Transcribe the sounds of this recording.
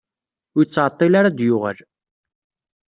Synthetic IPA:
ʊjət͡sːʕət̪ˤːɪlaɾad̪jʊʁə̰l

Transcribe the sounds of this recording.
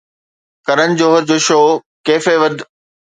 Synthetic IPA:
kɐɾənɪ̆d͡ʑoːɦəɾd͡ʑoːʃoː | keːfeʋɐd̪ʱ

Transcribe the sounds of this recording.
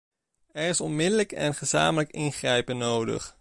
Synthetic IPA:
ɛɹɪsɔnmɪdələkɛ̰nχəza̰ːmələkɪnχrɛjpənowdə̰χ

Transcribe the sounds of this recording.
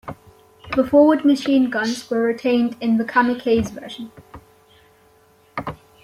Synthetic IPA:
b̥əfɔːwəd̚məʃĩːnɡʌ̃nzwəɹɪtʰẽɪ̃ndɪ̃nðəkʰaməkʰeɪzvɜːˑʒə̃n

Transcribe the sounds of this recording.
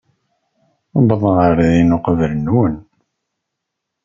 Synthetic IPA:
bəðˤənəɾðinuqəvələnwən

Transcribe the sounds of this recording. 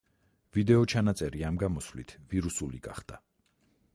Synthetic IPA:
vid̪ɛɔt͡ʃʰanat̪sʼɛɾiamɡamɔsvlit̪ʰviɾusuliɡa̰χd̪̥a

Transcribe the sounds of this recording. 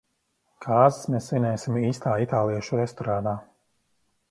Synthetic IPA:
kʰaːzɪ̥smesvinʲɛːsimiːst̪aːit̪aːlˠijɛʃuɾɛst̪ɔɾaːd̪aː

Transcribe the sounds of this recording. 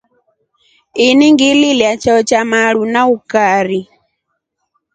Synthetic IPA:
iniŋɡililjat͡ʃaɔt͡ʃamaɺunaukaɾi

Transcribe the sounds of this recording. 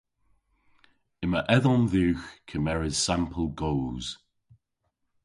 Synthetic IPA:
ɪməʔɛðɔnðiwxkʰəmɛɹɪz̥sãmpʰəlˠɡoːz̥

